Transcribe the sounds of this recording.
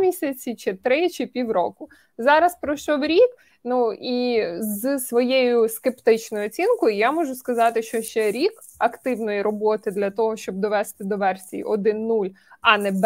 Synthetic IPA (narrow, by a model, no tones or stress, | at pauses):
mʲisʲɐt͡sʲit͡ʃɪt̪ɾɪt͡ʃɪpʲiwɾɔ̰kʊ | zɑɾɐspɾɔʃt͡ʃɔwɾʲik | nuizɨsʋɔjejʊskept̪ɪt͡ʃnɔjʊɔt͡sʲinkɔjijamɔʒʊskɐzɑt̪ɪʃt͡ʃɔʃt͡ʃɛɾʲik | ɐkt̪ɪwnɔjiɾɔbɔt̪ɪd̪lʲɐt̪ɔɦɔʃt͡ʃɔb̚d̪ɔʋɛst̪ɪd̪ɔʋɛrsʲijḭʔɔd̪ɪnːulʲɐnɛb